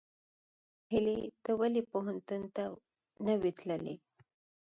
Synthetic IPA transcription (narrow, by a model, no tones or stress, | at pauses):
hilit̪əwəlipəɦənt̪unt̪a | nəʋit̪lalḛ